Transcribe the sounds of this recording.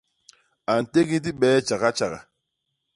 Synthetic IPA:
a˨n̩˨te˦ɡi˦t̬i˦ɓɛː˨˦t͡ʃa˨ɣa˦t͡ʃa˨ɣa̰˨

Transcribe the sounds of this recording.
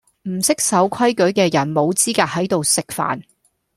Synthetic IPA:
m̩˨˩sɪ˥k̚sɐ˨˥wkʰɐ˥jkɵ˨˥ɥkɛː˧jɐ˨˩nmo˨˧wt͡siː˥kaː˧k̚hɐ˨˥jt̪o˨wsɪ˨˧k̚fa̰ː˨n

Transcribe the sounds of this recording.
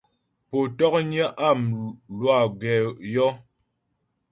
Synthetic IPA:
po˨tɔ˦k̚ɲə˦ʔa˦˨mlwa˦˨ɡɛ˨jɔ˦

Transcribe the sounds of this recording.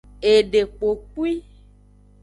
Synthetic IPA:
e˨ɖe˨k͡po˨k͡pu˦i˦

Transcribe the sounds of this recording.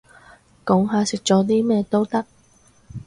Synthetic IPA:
kɔ˨˥ŋɦaː˨˧sɪ˨k̚t͡sɔː˨˥t̪iː˥mɛː˥˧t̪o˥wt̪ɐ˥k̚

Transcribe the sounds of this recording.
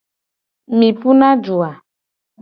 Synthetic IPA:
mĩ˨pu˦na˦d͡ʒu˨a˨

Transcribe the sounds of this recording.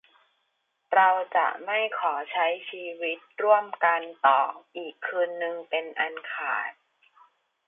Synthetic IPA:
ɾa˧wt͡ɕa̰˨˩ʔma˥˩jkʰɔː˩˦t͡ɕʰa˦˥jt͡ɕʰiː˧wi˦˥t̪̚ɾu˥˩əmka˧nt̪ɔː˨˩ʔiː˨˩kʰːɯː˧nːɯ˧ŋpe˧nʔa˧nkʰaː˨˩t̪̚

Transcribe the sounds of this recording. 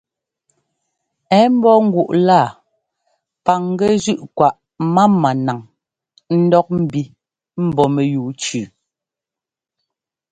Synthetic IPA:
ɛ˨˦m̩˦bɔ˦ŋ̩˦ɡwu˨ʔla˦˨ | pa˨ŋ˦ɡɛ˦zʉ˦ʔkwa˨ʔ | ma˦mːa˨na˨ŋ | n̩˦dɔ˦k̚m̩˦˨bi˦ | m̩˦˨bɔ˨mɛ˨juː˨t͡ʃʉː˨

